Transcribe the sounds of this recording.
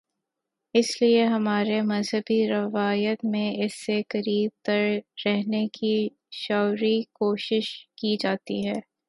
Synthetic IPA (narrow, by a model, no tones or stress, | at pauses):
ɪslieɦɐmaːɾemɐzɦəbiɾɐʋaːjət̪mẽɪsːekɐɾiːb̚t̪ɐɾɾɛɦneki | ʃɔːʊɾikoːʃɪʃkid͡ʒaːt̪iɦɛː